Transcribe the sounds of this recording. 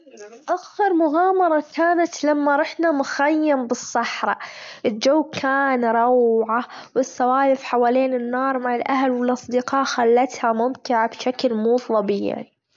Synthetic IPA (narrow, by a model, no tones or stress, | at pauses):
ʔaxɑɾˤmʊɣɑːmɑɾˤɑkaːnat̪lamːaɾˤɑħnamʊxajːambɨsˤːɑħɾˤɑʔɪld͡ʒawːkʰaːnɾˤɑwʕawɪsːawaːjɪfħawaːleːnɪnːɑːɾˤmaʕalʔaɦlwɪlʔɑsˤd̪ɪqɑːʔxalːat̪hamʊmt̪ɪʕabʃaklmuːðˤɑba̰ʕni